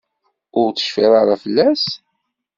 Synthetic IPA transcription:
ʊɾt͡sə̥ʃfiɾˤaɾˤafəlːæs

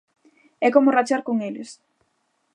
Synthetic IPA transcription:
ɛkomʊrat͡ʃaɾkoŋelɪs

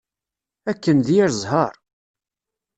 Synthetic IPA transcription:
ækːənðjɾzˤɦəɾˤ

